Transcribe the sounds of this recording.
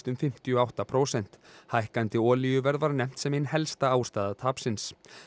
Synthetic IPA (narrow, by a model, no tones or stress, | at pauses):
t̪ʏmfɪm̥t̪iɔawht̪apʰɾoːwsɛn̥t̪hajhkant̪ɪɔːlijʏvɛɾðvaɾnɛm̥t̪sɛmɪnɦɛlst̪aaːwst̪aːðat̪ʰaːpsɪns